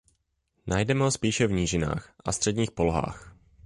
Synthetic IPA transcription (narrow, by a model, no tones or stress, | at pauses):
najdɛmɛɦospiːʃɛvɲiːʒɪna̰ːxʔast̪r̥ɛdɲiːxpoloɦa̰ːx